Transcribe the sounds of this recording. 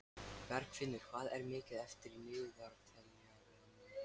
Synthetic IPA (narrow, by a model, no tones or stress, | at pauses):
vɛɾkfɪnːʏɾ̥kʰv̥aːðɛɾmɪːcɪðɛft̪ɪɾinʏːɣʏðaɾt̪ʰɛlnia